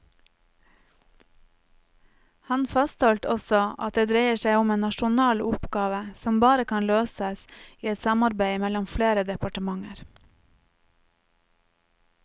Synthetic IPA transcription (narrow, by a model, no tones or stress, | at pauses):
hɑnfɑst̪hɔlt̪ʰɔsɔɑ̰t̪̚d̪eːd̪ɾeɪəʃæɪʊmeːnɑʃʊnɑːlʊpɡɑːʋəsɔmbɑːɾəkʰɑːnløːsəsiːɛt̪sɑmɑɾbæɪmɛlɔmfleːɾəd̪ɛpɑʈəmɑŋəɾ